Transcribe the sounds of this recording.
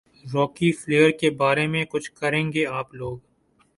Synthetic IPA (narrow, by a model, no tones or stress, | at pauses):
ɾɔːkifleːəɾkebaːɾemẽkʊt͡ʃʰkɐɾẽːŋɡeaːploːɡ